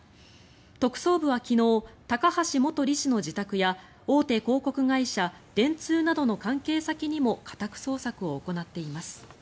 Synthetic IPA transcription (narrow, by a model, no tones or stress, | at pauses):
t̪o̞kɯ̟̥so̞ːbɯ̟βakʲino̞ːt̪akahaɕimo̞t̪o̞ɾʲiɕino̞ʑit̪akɯ̟ja | o̞ːt̪e̞ko̞ːko̞kɯ̟ɡaiɕa | d̪̥ẽ̞nt͡sɨːnad̪o̞no̞kãŋke̞ːsakʲiɲ̟imo̞kʰḁt̪akɯ̟̥so̞ːsakɯ̟o̞ːko̞nat̪ːe̞imasɨ̥